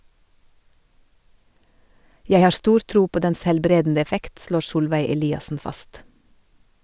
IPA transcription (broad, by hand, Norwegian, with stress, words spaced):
ˈjæɪ ˈhɑː ˈstuːɾ ˈtɾuː ˈpoː ˈdɛns hɛlˈbɾeːdn̩ə ɛˈfɛkt ˈʃloːɾ ˈsuːlʋæɪ ɛˈliːɑsn̩ ˈfɑst